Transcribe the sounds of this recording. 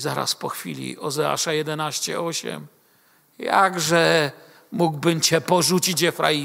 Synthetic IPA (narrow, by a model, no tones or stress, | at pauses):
zaɾa̰spɔxfʲḭlʲḭʔɔzɛa̰ʂajɛd̪ɛnaɕt͡ɕɛ̰ʔɔɕɛ̰m | jaɡʐɛ | muɡbɘmt͡ɕɛpɔʐut͡ɕid͡ʑɛfɾa̰i